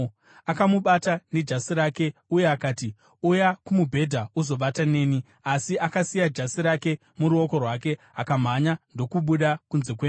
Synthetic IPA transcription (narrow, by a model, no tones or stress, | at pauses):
akamuɓataned͡ʒasiɾaːke̞uje̞akaːti | ujakumubʱe̞dʱauzo̞ɓatane̞ːni | asiʔakasijad͡ʒasiɾake̞ | muɾuo̞ko̞rwak̬e̞ | akam̤aɲando̞kuɓuɗakunze̞k̬weː